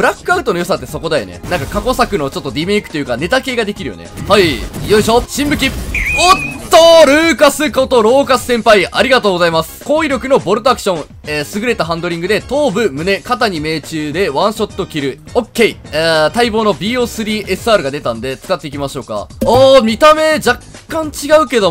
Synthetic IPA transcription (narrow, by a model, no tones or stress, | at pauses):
bɯɾakːɯ̟aɯ̟t̪o̞no̞jo̞sat̪ːe̞so̞ko̞d̪ajo̰ne̞̰nãŋkakako̞sakɯ̟no̞t͡ɕo̞t̪ːo̞ɾʲime̞ːkɯ̟̥t̪ojɯ̟kane̞t̪ake̞ːɡad̪e̞kʲiɾɯ̟jo̰e̞̰haijoiɕo̞ːɕĩmbɯ̟kʲiott̪ːoɾɯ̟ːkasɨko̞t̪o̞ɾo̞ːkasɨ̥sẽ̞mpaiʔaɾʲiɡat̪o̞ːɡo̞zaimasɨ̥koːiɾʲjo̞kɯ̟no̞bo̞ɾɯt̪oakɯ̟̥ɕõ̞ŋ | esɨɡɯ̟ɾe̞t̪aɦãnd̪o̞ɾʲĩŋɡɯ̟d̪e̞t̪o̞ːbɯ̟mɯ̟ne̞kat̪aɲ̟ime̞ːt͡ɕɨːd̪e̞βãɰ̃ɕo̞t̪ːo̞kʲiɾɯ̟ | okːe̞iet̪aibo̞ːno̞bʲiːo̞ːsɨɾʲiːʔe̞sɨaɾɯ̟ɡad̪e̞t̪and̪e̞t͡sɨ̥kat̪ːe̞ikʲimaɕo̞ːka̰oːmʲit̪ame̞d͡ʑakːãɲ̟t͡ɕiɡaɯ̟ke̞d̪o̞